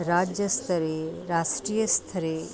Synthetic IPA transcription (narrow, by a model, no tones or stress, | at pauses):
ɾad͡ʒjəst̪ʰəɾeɾaʃʈɾijəst̪ʰəɾe